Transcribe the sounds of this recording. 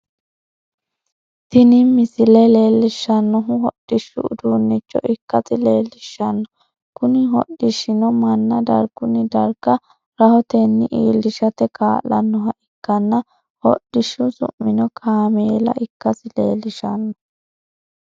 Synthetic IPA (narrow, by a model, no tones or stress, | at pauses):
t̪ɪnɪmɪsɪlɛleːlːɪʃːɐnːɔɦʊɦɔɗ̥ːɪʃːʊ̰ʊd̪uːnːɪt͡ʃːɔ̰ɪkːɐsɪle̞ːlːɪʃːɐnːɔ | kʊnɪɦɔ̰ɗɪʃɪnɔmɐnːɐd̪ɐ̰ɾɡ̥ʊnɪd̪ɐɾɡɐ | ɾɐhɔt̪enːɪʔiːlːɪʃɐt̪ɛkaːlːɐnːɔɦɐʔɪkːɐnːɐ | hɔ̰ɗːɪʃʊsʊ̰mːɪnɔkʰaːmeːlɐ̰ʔɪkːɐsɪlḛːlːɪʃɐnːɔ